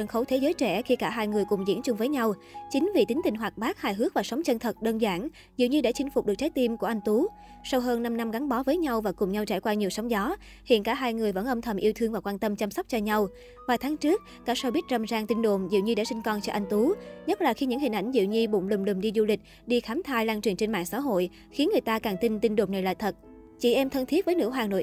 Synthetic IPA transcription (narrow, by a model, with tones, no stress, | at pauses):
ə˧˩xə˨˦wt̪ʰe˨˦zəː˨˦jt͡ɕɛ˧˩xi˧kaː˧˩ɦaː˧jŋɨ˨˩əjkʊ˨˩ŋ͡mzḭ˧˥nt͡ɕʊ˧ŋ͡mvəː˨˦jɲa˧wt͡ɕï˨˦ŋ̟vḭ˧˨t̪i˨˦ŋ̟t̪ï˨˩ŋ̟ɦwaː˨˩k̚ɓaː˦˥k̚haː˧˨jɦɨ˦˥ək̚vaː˨˩sə˨˦wŋ͡mt͡ɕə˧nt̪ʰə˨˩t̚ɗəː˧nzaː˧˩ŋ | zḭ˧˨wɲɨ˧ɗa̰˧˩t͡ɕï˨˦ŋ̟fʊ˨˩k͡p̚ɨ˨˩k̚t͡ɕaː˨˦jt̪i˧mku˧˩ʔa˧ŋ̟t̪u˨˦ | sa˧wɦəː˧nːa˧mna˧mɣa˨˦ŋɓɔ˨˦vəː˨˦jɲa˧wvaː˨˩kʊ˨˩ŋ͡mɲa˧wt͡ɕaː˧˩jkwaː˧ɲi˨˩əwsɔ˨˦wŋ͡mzɔ˨˦ | hḭ˧˨ənkaː˧˩ɦaː˧jŋɨ˨˩əjvə̰˧˥˩nʔə˧mt̪ʰə˧˩mʔi˧əwt̪ʰɨ˧əŋvaː˨˩kwaː˧nt̪ə˧mt͡ɕa˧msa˦˥k͡p̚t͡ɕɔ˧ɲa˧w | vaː˨˩jt̪ʰaː˨˦ŋt͡ɕɨ˦˥ək̚ | kaː˧˥sa˧ɓi˦˥t̚zə˧˩mzaː˧ŋt̪i˧nɗo̰˧˨mzḭ˧˨wɲɨ˧ɗaː˧˥si˧ŋ̟kɔ˧nt͡ɕɔ˧ʔa˧ŋ̟t̪u˨˦ɲə˦˥t̚laː˨˩xi˧ɲɨ̰˧˥ŋhï˨˩ŋ̟ʔa˧˩jŋ̟zḭ˧˨wɲi˧ɓʊ̰˧˨ŋ͡mlʊ˨˩ŋ͡mlʊ˨˩ŋ͡mɗi˧zu˧lï˨˩k̟̚ | ɗi˧xaː˨˦mt̪ʰaː˧jlaː˧ŋt͡ɕi˨˩ənt͡ɕe˧nma̰ː˧˨ŋsa̰ː˧˥ɦo̰˧˨j | xi˨˦ənŋɨ˨˩əjt̪aː˧kaː˨˩ŋt̪i˧nt̪i˧nɗo˨˩ŋ͡mna˨˩jla̰ː˧˨jt̪ʰə˨˩t̚ | t͡ɕḭ˧˩ʔɛ˧mt̪ʰə˧nt̪ʰi˦˥ət̚və˨˦jnɨ̰˧˥ɦaː˨˩no̰˧˨j